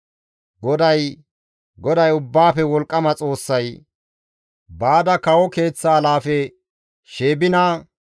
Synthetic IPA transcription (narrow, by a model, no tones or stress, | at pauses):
ɡɔd̪ɐj | ɡɔd̪ɐjʊbːaːfɛwɔlkʼːɐmɐt͡sʼo̞ːsːɐj | baːd̪ɐkɐwɔke̞ːt͡sːaːlaːfɛ | ʃe̞ːbɪnaː